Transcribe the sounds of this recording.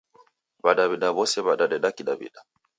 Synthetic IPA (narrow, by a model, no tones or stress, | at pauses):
baɗaβiɗaβɔsɛβaɗaɗɛɗakiɗabḭɗa